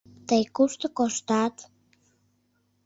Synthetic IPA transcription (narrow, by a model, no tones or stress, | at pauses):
t̪ajkust̪əkoʃt̪at̪